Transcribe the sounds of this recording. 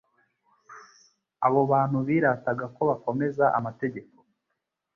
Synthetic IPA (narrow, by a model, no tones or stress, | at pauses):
a̰βo̞βaːn̥huβiːɾataɡako̞βako̞me̞zaʔa̰mate̞ɟe̞ko